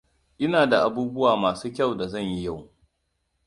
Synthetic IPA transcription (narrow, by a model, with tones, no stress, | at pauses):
ʔɪ˦naː˨da˨ʔa˨buː˦bʊ˦waː˨maː˨suː˦kʲɐ˦˨wda˨zɐ˦˨ɲji˦ja˦˨w